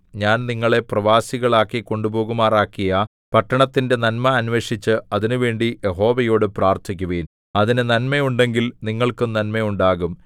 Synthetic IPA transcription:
ɲaːnniŋːɐɭe̞prɐʋaːsiɣɐɭaːkːiko̞ɳɖubo̞ːɣumaːraːkːijɐ | pɐʈːɐɳɐt̪ːinde̞nɐnmɐːnʋe̞ːʂit͡ɕːɨɐðinɨʋe̞ːɳɖijʔeɦo̞ːʋɐjo̞ːɽɨpraːrt̪ʰikʲːuʋen | ɐðinɨnɐnmɐjuɳɖe̞ŋɡilniŋːɐɭkɨnɐnmɐjuɳɖaːɣum

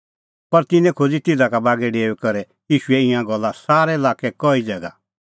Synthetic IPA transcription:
pɐɾt̪ɪnɛ̃kʰod͡zit̪ɪd̪akabaːɡɛɖeːɛkɐɾɛ | jiːʃuɛɪ̃jãɡɔlːasaːɾɛɪlaːkɛkɔid͡zɛɡa̰

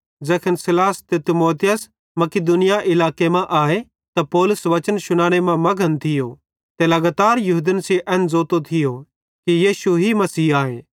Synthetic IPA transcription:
d͡zɛːkʰənsɪlaːst̪et̪ɪmoːt̪ɪjəs | mɐkɪd̪ʊnɪjaʔɪlaːkemɛ̃ʔaːe | t̪ɐpɔːlʊsʋɐt͡ʃənʃʊɽ̃aːɽ̃emãmɐɡʱənt̪ʰɪjo | t̪elɐɡaːt̪aːɾjʊɦud̪ənsiʔɛːnd͡zoːt̪ot̪ʰɪjo | kijiːʃuɦimɐsiːaːḛ̃ː

